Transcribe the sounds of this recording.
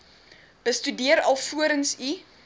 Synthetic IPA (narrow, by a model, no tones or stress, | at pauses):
b̥əstydiəɾɐ̰lˠfuəɾənsi